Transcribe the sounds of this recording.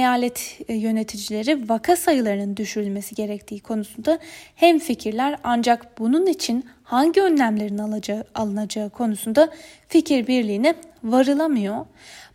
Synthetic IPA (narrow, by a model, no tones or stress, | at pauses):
jaːlʲɛt̪ʰjø̞ne̞t̪ʰid͡ʒilʲe̞ɾivakʰasajɯlˠaɾɯnɯnd̪yʃyɾylʲme̞siɟe̞ɾɛc̚t̪ʰiːkʰo̞nusund̪ahɛmficʰiɾlʲæɾand͡ʒakbununit͡ʃʰin | haɲɟiø̞nlʲæmlʲe̞ɾinalˠɯnad͡ʒaɯkʰo̞nusund̪aficʰiɾbiɾlʲijːnɛvaɾɯlˠamɯjo̞